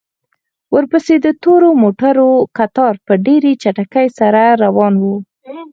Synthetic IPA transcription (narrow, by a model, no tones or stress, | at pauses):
wəɾpəsed̪ət̪oɾomoʈaɾokat̪ɑɾpəɖeɾet͡ʃaʈakajsaɾaɾawɑnwu